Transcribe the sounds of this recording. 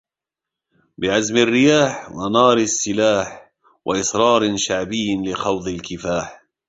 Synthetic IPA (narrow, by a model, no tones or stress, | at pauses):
bɪʕazmarːɪjaːħwanɑːɾɪsːɪlaːħ | wʔaʔɪsɾˤɑːɾˤʃaʕbɪjːlɪxɑwd̪ˤɪlkɪfaːħ